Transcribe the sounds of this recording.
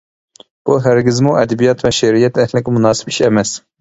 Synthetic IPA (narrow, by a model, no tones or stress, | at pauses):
b̥uɦæɾɡʲɪzmuʔɛd̪ɛbijɑt̪ʰvɛʃɛɾijɛt̪ʰɛhlɪkʲɪmunɑːsɪ̥pi̥ʃɛmɛs